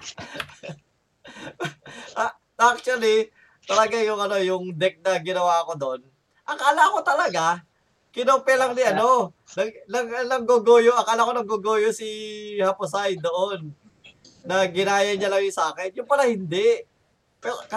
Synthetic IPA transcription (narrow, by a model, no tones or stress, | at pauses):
ʔɐ | ak̚t͡ʃuɐli | t̪ɐlɐɡajʊŋɐno̞jʊŋd̪ɛk̚nɐɡɪnɐwaːko̞d̪oʔon | ʔɐŋkaːlaʔɐko̞t̪ɐlɐɡa | kɪnoŋpɛlɐŋnɪʔɐno̞ | nɐɡnɐɡɐnɐŋɡoɡojoʔɐŋkaʔalako̞nɐɡoɡoːjosihɐposajd̪o̞ʔonː | ɐɡɪnaːjɐɲalɐŋɪsaːkɛnjʊŋpɐɾahɪnd̪ɛʔ | pɛ